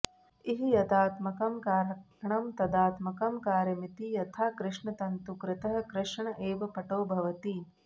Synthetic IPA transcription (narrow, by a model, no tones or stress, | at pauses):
iɦijɐd̪aːt̪mɐkɐmkaːɾ | ɐɳɐmt̪ɐd̪aːt̪mɐkɐmkaːɾjɐmit̪ijɐt̪ʰaːkɾɪʂɳɐt̪ɐnt̪ukɾɪt̪ɐɦɐ̆kɾɪʂɳɐʔeːʋɐpɐʈoːbʱɐʋɐt̪i